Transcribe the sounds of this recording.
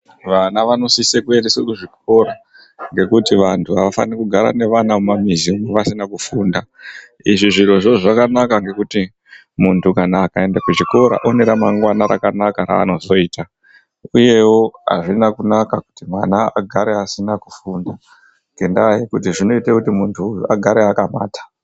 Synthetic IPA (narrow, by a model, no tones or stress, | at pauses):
ʋanaʋano̞sisekue̞ndesekuʐik̚o̞ɾa | ŋɡe̞kutiʋantʰuaʋafa̰nikuɡʱaɾa̰ne̞ʋanaumamiziumeʋasinakufuːnda | iʐiʐiro̞ʐoʐakanakaŋɡe̞kuti | muntʰukanakae̞ndekut͡ʃiko̞ɾa̰ʔo̞ne̞ɾamaŋɡwanaɾa̰kanakaɾa̰ːno̞zo̞iːta | uje̞wo̞ɦa̰ʐinakunakaku̥timwana̰ːɡʱaɾeasinakufunda | ŋɡe̞ndaajekutiʐino̞itekutimuntʰua̰ɡʱaɾeakama̰ːtḁ